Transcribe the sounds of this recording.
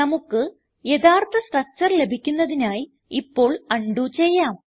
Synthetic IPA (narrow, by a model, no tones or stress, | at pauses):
ɐmukːɨ | je̞d̪aːrt̪ʰɐsʈɐk̚t͡ɕːɐrle̞bʱikʲːunːɐðinaːji | ipːo̞ːɭɐɳɖut͡ɕe̞jːaːm